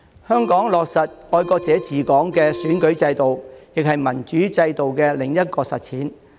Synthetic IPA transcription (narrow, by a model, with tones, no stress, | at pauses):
hœː˥ŋkɔː˨˥ŋlɔː˨k̚sɐ˨t̚ɔː˧jkɔː˧k̚t͡sɛː˨˥t͡siː˨˩kɔː˨˥ŋkɛː˧syː˨˥nkɵ˨˥ɥt͡sɐ˧jt̪o˨wjɪ˨k̚hɐ˨jmɐ˨˩nt͡ʃyː˨˥t͡sɐ˧jt̪o˨wkɛː˧lɪ˨ŋjɐ˥t̚kɔː˧sɐ̰˨t̚t͡sʰiː˨˥n